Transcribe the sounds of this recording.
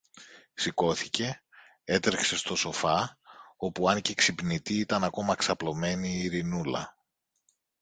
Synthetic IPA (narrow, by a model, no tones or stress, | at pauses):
siko̞θice̞ | e̞t̪ɾekse̞st̪o̞so̞fɐo̞puɐnceksipnit̪iit̪ɐnɐko̞mɐksɐplo̞me̞niːɾinulɐ̰